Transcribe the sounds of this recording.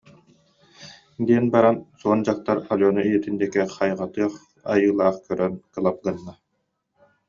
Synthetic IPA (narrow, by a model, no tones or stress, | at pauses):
d̪iɛnbaɾansuɔnd͡ʑaχt̪aɾalʲjɔnuijɛt̪ind̪ɛkɛχajʁat̪ɯɐχ | a̰jɯːlˠaːχkœɾœnkɯlˠap̚ɡɯnːa